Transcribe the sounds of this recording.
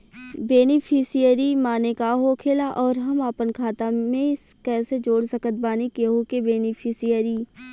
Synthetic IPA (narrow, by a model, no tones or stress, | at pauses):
beːnɪpʰɪsijəɾimaːnekaɦokʰeːlaʔɔːɾɦɐmaːpənkʰaːt̪amẽskɛːsed͡ʒoːɽsəkət̪̚baːnikeɦokebeːnɪpʰɪsijəɾiː